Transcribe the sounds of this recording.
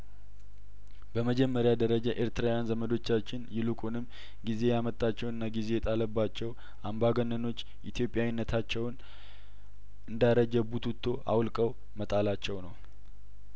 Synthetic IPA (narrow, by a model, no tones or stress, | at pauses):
bəməd͡ʒɛmːəɾjad̪əɾəd͡ʒaʔeɾt̪ɨɾawjanzəməd̪o̞t͡ʃːat͡ʃːɪnjɪlukʼunɨm | ɡize̞jamət̪ʼːat͡ʃːɛwɨnːaɡize̞jɛt̪ʼaləbːat͡ʃːɛw | ʔambaɡənːəno̞t͡ʃː | ʔit̪ʰjo̞pʼjawinːət̪ʰat͡ʃːɛwn | ʔɨnd̪aɾəd͡ʒəbut̪ʰut̪ʰːo̞ʔa̰wlkʼəw | mət̪ʼalat͡ʃːɛwnəw